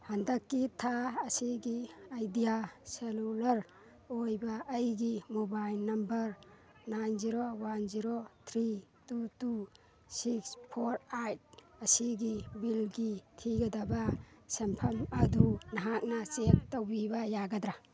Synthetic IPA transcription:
handɐkːitʰaɐsiɡiajdijaselulɐɾ | ojbɐːjɡimobajlnɐmbɐɾ | najnziɾowanziɾot̪ʰɾitutu | sikspʰoɾajt̚ɐsiɡibilɡitʰiɡɐdɐbasempʰɐmɐdunɐɦak̚nɐt͡ʃek̚towbibɐjaɡɐd̪ɾa

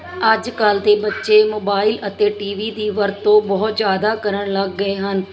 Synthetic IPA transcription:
əd͡ʒkəlt̪eːbətːʃeːmoːbaːɪlət̪eːʈiːʋiːd̪iːʋəɾt̪ːõːbɔːt̪zjaːd̪aːkəɾəɳləɡːəeːɦən

